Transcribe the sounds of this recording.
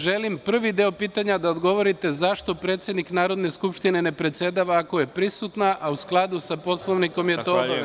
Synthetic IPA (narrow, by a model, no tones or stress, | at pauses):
ʒe̞limpr̩ʋid̪eopiːt̪aɲad̪aod̪ɡo̞ʋo̞ɾit̪e̞zaʃt̪o̞pɾe̞ːt̪sje̞d̪niknaːɾo̞d̪ne̞skupʃt̪ine̞ne̞pɾe̞t̪sje̞d̪aʋaːko̞je̞pɾisut̪naʔʔausklˠad̪usapo̞slˠo̞ʋniko̞mjeo